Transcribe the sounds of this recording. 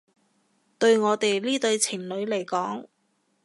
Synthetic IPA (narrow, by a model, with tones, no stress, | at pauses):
t̪ɵ˧ɥŋɔː˨˧t̪e˨jliː˥t̪ɵ˧ɥt͡sʰɪ˨˩ŋlɵ˨˧ɥle˨˩jkɔː˨˥ŋ